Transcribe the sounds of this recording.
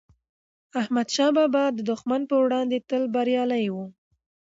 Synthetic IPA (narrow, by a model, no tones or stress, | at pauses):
ahmad̪ʃɑbɑbɑd̪əd̪ʊxmanpəwɽɑnd̪et̪əlbaɾjɑlajwu